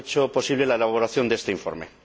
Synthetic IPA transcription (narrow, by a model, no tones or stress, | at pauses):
t͡ʃopo̞siβ̞le̞laelaββ̞oɾaθjo̞nd̪est̪eiɱfoɾmḛ